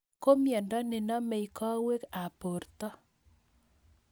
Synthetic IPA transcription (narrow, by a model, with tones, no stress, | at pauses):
ko˦mjɛ˨ndɔ˦ne˨nɔ˦me˨i˨kɔ˦we˦ka˨po˨rt̪ɔ˦